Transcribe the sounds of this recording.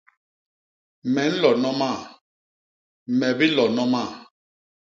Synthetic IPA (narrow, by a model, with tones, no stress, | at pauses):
mɛ˨˦n̩˦lɔ˨nɔ˦ma˦˨ | mɛ˨bi˦lɔ˨nɔ˦ma˦˨